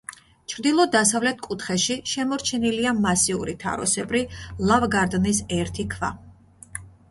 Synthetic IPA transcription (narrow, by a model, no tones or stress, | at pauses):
t͡ʃʰɾd̪ilˠɔd̪asavlɛt̪̚ʰkʼut̪ʰχɛʃiʃɛmɔɾt͡ʃʰɛniliamasiṵɾit̪ʰa̰ɾɔ̰sɛbɾilˠavɡaɾd̪nisɛɾt̪ʰikʰva̰